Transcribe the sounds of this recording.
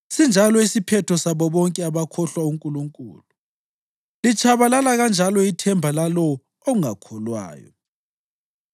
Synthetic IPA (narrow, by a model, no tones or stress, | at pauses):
sind͡ʒʱalɔisipʰɛtʰɔsaβɔβɔŋkʼɛaβakʰɔɬwauŋkʼuluŋkʼṵːlu | lit͡ʃʼʰaβalalaɣand͡ʒʱalɔitʰɛmbʱalalɔ | ɔŋakʰɔlwa̰ːjɔ̰